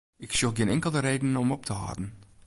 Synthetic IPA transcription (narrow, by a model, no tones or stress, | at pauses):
ɪksuχɡɪnɛŋkəl̩ˠdəɾejdənɔmɔp̚tʰəɦɑ̰ːdn̩